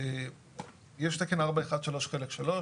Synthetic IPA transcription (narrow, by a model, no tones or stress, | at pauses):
e | jeʃt̪ekenaʁbaeχad̪ʃalo̞ʃχelekʃalo̞